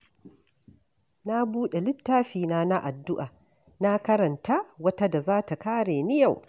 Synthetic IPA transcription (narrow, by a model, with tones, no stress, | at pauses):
na˦buː˦ɗe˨lɪ˦tːaː˦ɸiː˨na˦na˦ʔa˨dːʊ˦ʔa˨ | na˦kɐ˦ɾɐ˨nta˦wɐ˦ta˦da˨zaː˦ta˨kaː˦ɽeː˨nɪ˦ja˦˨w